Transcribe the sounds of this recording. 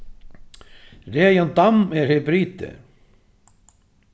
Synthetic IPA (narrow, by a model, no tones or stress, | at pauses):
reːjant̪amɛɾhɛbɾiːt̪ɪ̰